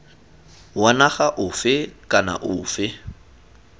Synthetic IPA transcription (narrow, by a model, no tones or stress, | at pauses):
wanaχaʔʊfɪkʼana̰ʔʊːfɪ